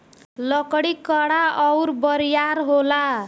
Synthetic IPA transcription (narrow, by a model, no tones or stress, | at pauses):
lʌkɽikʌɽaʌwrbʌɾjaɾɦola